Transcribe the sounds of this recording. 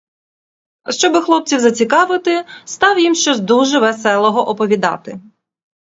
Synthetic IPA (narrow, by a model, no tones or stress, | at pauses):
ʃt͡ʃɔbɪxlˠɔp̚t͡sʲiwzɐt͡sʲikɑʋɪt̪ɪst̪ɑwjimʃt͡ʃɔsʲd̪uʒɛʋɛsɛlˠɔɦɔʔɔpɔʋʲid̪ɑ̰t̪ɪ